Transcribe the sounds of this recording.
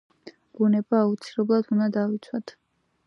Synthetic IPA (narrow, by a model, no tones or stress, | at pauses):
ɡ̥unɛbaːut̪sʰilɛblˠad̪ʰund̪ad̪avit̪sʰwat̪ʰ